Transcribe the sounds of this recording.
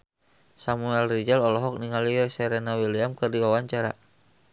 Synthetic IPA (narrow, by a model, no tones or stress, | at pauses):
samuɛlrid͡ʒɛlɔlɔɦɔk̚niŋaliɛsɛɾɛnawiliamkɨrdiwawaɲt͡ʃaɾa̰